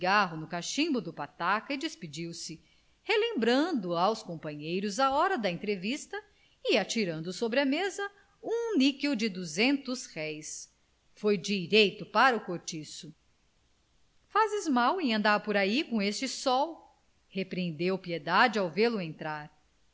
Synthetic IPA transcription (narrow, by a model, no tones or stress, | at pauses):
ɡaɦʊnʊkaʃĩbʊd̪ʊpat̪akɐɪd͡ʒispid͡ʒiwsɪ | helẽmbɾɐ̃nd̪ʊawskõmpɐ̃ɲejɾʊzaɔɾɐd̪ɐẽnt̪ɾevist̪ɐ | ɪat͡ʃiɾɐ̃nd̪ʊsobɾɪɐmezɐ | ũnikiwd͡ʒɪd̪uzẽnt̪ʊshɛjs | fojd͡ʒiɾejt̪ʊpaɾɐukoɾt͡ʃisʊ | fazɪzmawẽj̃ɐ̃nd̪aɾpoɾaikõest͡ʃɪsɔw | hepɾẽnd̪ewpied̪ad͡ʒɪawvelʊẽnt̪ɾaɾ